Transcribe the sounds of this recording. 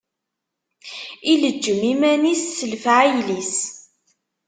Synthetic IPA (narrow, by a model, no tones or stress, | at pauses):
iləd͡ʒːəmimænisːəlfʕijlis